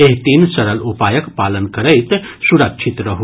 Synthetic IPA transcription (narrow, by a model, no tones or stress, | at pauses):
eɦt̪iːnsɐɾəlupaːjəkpaːlənkəɾəjt̪ | suɾəkʃʰit̪ɾəɦu